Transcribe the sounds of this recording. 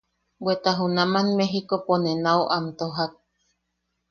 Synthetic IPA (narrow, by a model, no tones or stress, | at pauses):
bwet̪aɦunãmanmeɦikoponenauʔamt̪oɦak̚